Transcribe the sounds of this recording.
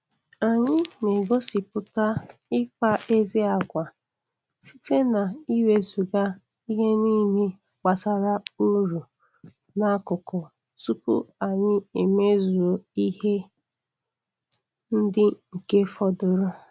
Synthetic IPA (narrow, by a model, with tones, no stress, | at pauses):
a˨ɲɪ˦ne˨ɡo˦si˨pʊ˨ta˦ɪ˦k͡pa˦e˦zi˦a˨ɡʷa˨ | si̥˦te˦na˨i˦we˦zu˨ɡa˦ | i˦ɦe˦ni˦me˦ | k͡pa˨sa˨ɾa˦u˦ɾu˨ | na˦kʊ˨kɔ˨ | su˦pʊ̰˦a˨ɲɪ˦e˨me˦zo˨i˦he˦ | n̩˦dɪ˦ŋ̩˨ke˦fɔ˦dʊ˦ɾʊ˦